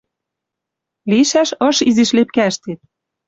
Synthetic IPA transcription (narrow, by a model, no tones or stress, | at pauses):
liʃæʃɤ̆ʃiziʃlep̚kæəʃt̪et̪̚